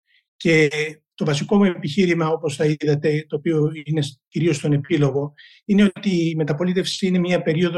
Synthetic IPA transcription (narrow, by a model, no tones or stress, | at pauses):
ce̞ | t̪o̞vɐsiko̞mue̞piçiɾimɐo̞po̞sθɐiðɐt̪e̞t̪o̞ːpio̞ine̞sciɾio̞st̪o̞ne̞pilo̞ɣo̞ | ine̞o̞t̪iːme̞t̪ɐpo̞lit̪e̞fsi̥sine̞mɲɐpe̞ɾio̞ðo